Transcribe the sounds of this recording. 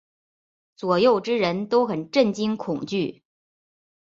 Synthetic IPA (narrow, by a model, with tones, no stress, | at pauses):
t͡swɔ˨˩jo˥˩ʊʈ͡ʂɻ̩˥ɻə˧˥nt̪o˥ʊxə˨˩nʈ͡ʂə˥˩nt͡ɕi˥ŋkʰʊ˨˩ŋt͡ɕy˥˩